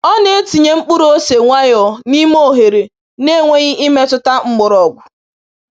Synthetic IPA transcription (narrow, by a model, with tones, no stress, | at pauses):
ɔ˦ne˦e˦ti˨ɲe˦ŋ͡m̩˦k͡pu˦ɾo˦se˨ŋʷa˦jɔ˨ni˦mo˦˨ɦe˨ɾe˨ | ne˦˨ŋʷe˦ɲɪ˦ʔi˦me˦tʊ˦ta˦ŋ͡m̩˦ɡ͡bʊ˨ɾɔ˨ɡ͡bʷʊ˨